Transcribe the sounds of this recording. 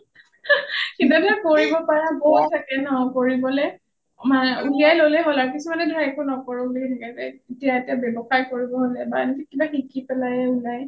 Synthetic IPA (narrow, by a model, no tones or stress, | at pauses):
kidadakoɹibɔpaɹaboɦuttʰːakɛnɔɔkoɹibɔlɛ | mauliajlolɛɦolaɹkisumanɛdʱajɛkʰʊnɔkɔɹɔulitʰakɛzɛetijaetiabɛbɔxaɹkoɹibɔɦolɛbanikikibaxikipɛlajɛulaj